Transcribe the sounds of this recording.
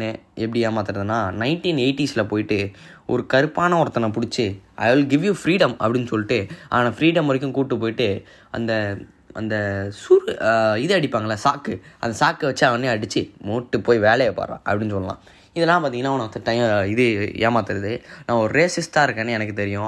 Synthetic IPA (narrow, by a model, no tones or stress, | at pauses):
eɛp̬ːɐɽɪjeːmaːt̪ɪɾɐðɯnːaːnɐɪɳʈiːneɪʈːislɐpoːjɪʈːɯʔɔ̰ɾɯkɐɾɯpːaːnɐɔɾɐt̪ːɐnɐ̃pʊɽɪt͡ʃːɯɐ̰ɪʋɪlɡɪʋjufɾiːɽɐmɐ̰pːɐɽɪnːɯsɔlːɪʈːɯaːnaːfɾiːɽɐmɐɾɪk̬ʲːʊ̃kuːʈːɯpoːjɪʈːɯ | ɐ̰nd̪ɐ | ɐ̰nd̪ɐsuɾɪðɯɐɽɪpːaːŋɡɐlːaːsaːkɯɐ̰nd̪ɐsaːkːʋɐt͡ʃːaːʋɐnd̪ɯɐɽɯt͡ʃːɯmuːʈːɯpoːjʋeːlɛjɐpːa̰ːɾã̰ːʔɐ̰pːɐɽɪnːɯs̬ɔlːɐlã̰ː | ɪðɛlːãːpaːt̪iŋnaːʋɐnɐt̪ɐʈːɐɪmɪðɯḛːmaːt̪ɯɾɐðɯnãːɔɾɯɾeːsɪsʈaːɪɾɯkːɐːnːɛnɐk̬ːɯt̪ɛɾɪjʊ̃